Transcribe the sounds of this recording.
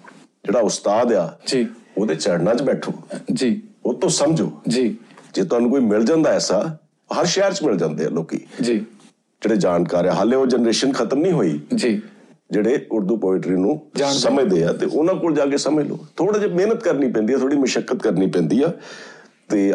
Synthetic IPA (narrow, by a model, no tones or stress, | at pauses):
d͡ʒeːɽaːʊst̪aːd̪aːd͡ʒioːd̪eːt͡ʃɛːɽnãːt͡ʃbɛːʈʰo̰ːd͡ʒiːoːt̪õːsəmd͡ʒo̰ːd͡ʒid͡ʒeːt̪ʊɦaːnũːkoːiːmɪld͡ʒãːnd̪aːɛːsaː | ɦəɾʃɛːɾt͡ʃmɪld͡ʒãːnd̪eːa̰ːloːkḭːd͡ʒiː | d͡ʒeːɽeːd͡ʒaːnkaːɾɛːɦaːlẽːoːd͡ʒɛnɾeːʃənkʰət̪əmnĩːɦoːḭːd͡ʒiː | d͡ʒeːɽeːʊɾd̪uːpəːɪʈɾiːnũːsəmẽːd̪eːaːt̪ḛːʔʊnãːkoːld͡ʒaːkeːsəmeːlo̰ːt̪ʰoːɽaːd͡ʒemeːnət̪kəɾniːpɛ̃ːnd̪iːɛːt̪ʰoːɽiːməʃəkːət̪kəɾniːpɛ̃ːnd̪iːɛː | t̪eː